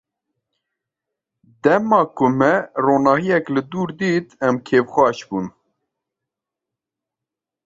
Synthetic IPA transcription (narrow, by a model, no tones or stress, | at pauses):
d̪ɛmɑːkʊmɛroːnɑːhijɛklɨd̪uːɾd̪iːt̪ʰɛmkʰeːvxʷɑːʃbuːn